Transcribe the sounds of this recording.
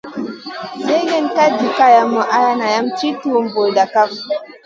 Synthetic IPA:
se˦ɡe˦nka˦di˨ka˦ja˨mːo˨ʔa˦ja˦na˨ja˦mt͡ʃi˦tu˦wmbo˨da˨ka˦f

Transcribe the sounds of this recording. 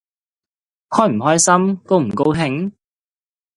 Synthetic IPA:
hɔː˥jm̩˨˩ɦɔː˥jsɐ˥mko˥˧wm̩˨˩ko˥wɦɪ˧˥ŋ

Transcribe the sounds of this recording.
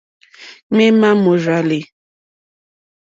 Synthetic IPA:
me˦ma˦mo˨ʒa˨le˨

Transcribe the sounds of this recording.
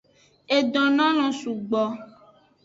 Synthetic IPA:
e˨ɖɔ̃˨nã˦lɔ̃˨su˨ɡ͡bɔ˨

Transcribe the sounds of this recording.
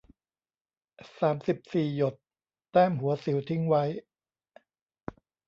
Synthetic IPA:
saː˩˦msi˨˩p̚siː˨˩jo˨˩t̪ː | ɛː˥˩mɦu˨˩˦ɐsi˨˩˦wt̪ʰi˦˥ŋwa˦˥j

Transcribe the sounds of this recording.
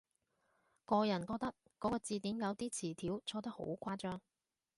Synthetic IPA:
kɔː˧jɐ˨˩nkɔː˧k̚t̪ɐ˥kːɔː˨˥kɔː˧t͡siː˧t̪iː˨˥mjɐ˨˧wt̪iː˥t͡sʰiː˨˩t̪ʰiː˨˥wt͡sʰɔː˧t̪̬ɐ˥k̚ho̰˨˥wkʰʷwaː˥t͡ʃœː˥ŋ

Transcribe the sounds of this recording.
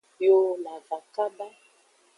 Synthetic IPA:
jo˦la˨va˨ka˦ba˦

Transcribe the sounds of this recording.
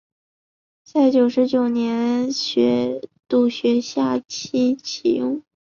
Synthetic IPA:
t͡sa˥˩ɪt͡ɕjo˨˩ʊʂɻ̩˧˥t͡ɕjo˨˩ʊnjɛ˧˥nɕɥɛ˧˥t̪u˥˩ɕɥɛ˧˥ɕja˥˩t͡ɕʰi˥t͡ɕʰḭ˨˩jʊ˥˩ŋ

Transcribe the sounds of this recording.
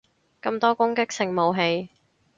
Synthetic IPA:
kɐ˧mt̪ɔː˥kʊ˥ŋkɪ˥k̚sɪ˨˩ŋmo˨wɦe˧j

